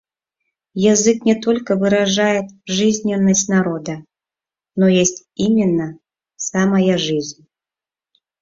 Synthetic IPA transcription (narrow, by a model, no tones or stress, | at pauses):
jazɨknʲɛt̪ɔlʲkəvɨɾaʐajɛt̪ʐɨzʲnʲɛnːɐsʲtʲnaɾɔd̪ɐ | nɔjesʲtʲimʲɪnːɐ | samɐjaʐɨzʲnʲ